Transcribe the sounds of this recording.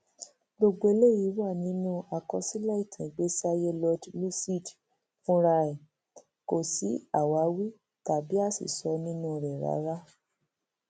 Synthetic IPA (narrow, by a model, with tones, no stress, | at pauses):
ɡ͡bo˧ɡ͡bo˧e˧˦le˦˨ji˨˦wa˦˨nĩ˦nũ˦a˧kɔ˧si˦la˦i˦˨tʰĩ˨ɡ͡be˦sa˦je˦lɔ˧dlu˦si˦˨d | fũ˦ɾa˧ɛ˨ | ko˨si˨˦a˦˨wa˨˦wi˦ | ta˨bi˨˦a˦˨sḭ˨sɔ˨˦nĩ˦nũ˦˨ɾɛ˨ɾa̰˨˦ɾa˦